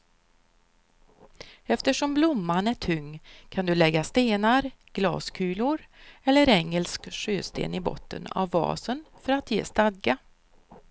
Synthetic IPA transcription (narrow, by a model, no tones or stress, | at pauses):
ɛft̪əʂɔmblʊmːanæʈʰɵŋːkʰand̪ɵlɛɡːast̪eːnaɾ | ɡ̥lɑ̰ːskʰʉːlʊɾɛlːəɾɛŋːəlskʂøːst̪ḛːnɪbɔ̰t̪ːə̰na̰vːɑ̰ːsənfœɾat̪ʰjḛːst̪ad̪ɡa